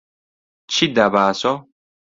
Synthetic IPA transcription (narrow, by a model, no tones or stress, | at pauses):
t͡ʃʰid̪abaːsɔ